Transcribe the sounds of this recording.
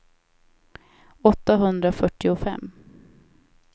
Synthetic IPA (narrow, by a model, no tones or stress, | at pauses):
ɔt̪ːaɦɵnd̪ɾafœʈːɪʊfɛ̰mː